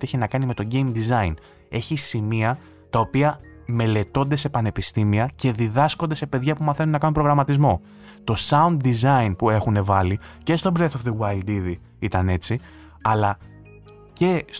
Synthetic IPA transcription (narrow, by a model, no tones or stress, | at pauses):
ieçinɐkɐnime̞t̪o̞ɲɟe̞imd̪izɐin | e̞çisimiɐ | t̪ɐo̞piɐ | me̞le̞t̪o̞nd̪e̞se̞pɐne̞pist̪imiɐce̞ðiðɐsko̞nd̪e̞se̞pe̞ðʝɐpumɐθe̞nunːɐkɐnumpɾoɣɾɐmɐt̪izmo̞ | t̪o̞sɐund̪d̪izɐinpue̞xune̞vɐlice̞st̪o̞bɾeθo̞vðewɐjld̪iði | it̪ɐne̞t͡si | ɐlɐ | ce̞s